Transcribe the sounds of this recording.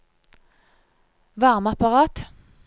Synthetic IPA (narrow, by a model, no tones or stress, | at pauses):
ʋɑʁmɑpɑʁɑːt̪